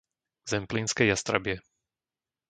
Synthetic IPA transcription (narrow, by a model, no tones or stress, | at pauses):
zɛmplinskɛjast̪ɾa̰bɪɛ